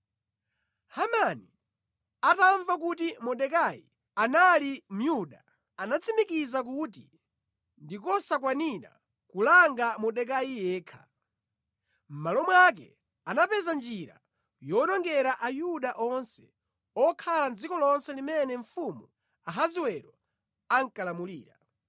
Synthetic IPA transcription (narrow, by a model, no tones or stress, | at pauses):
hamani | ataɱvak̬ut̬imɔɗɛkajḭ | analim̩juɗa | anat͡sʰimikizak̬ut̬i | ndikɔsak̬waniɾa̰ | kulaŋɡamɔɗɛk̬ajijɛːkʰḁ | m̩malɔmwak̬ɛ̰ | anapɛzand͡ʒiɾa̰ | jɔnɔŋɡɛɾaʔajuɗaʔɔnsɛ | ɔkʰaland͡zikɔlɔnsɛlimɛnɛɱfumu | aɦaziwɛɾɔ | aŋ̩kalamulḭːɾa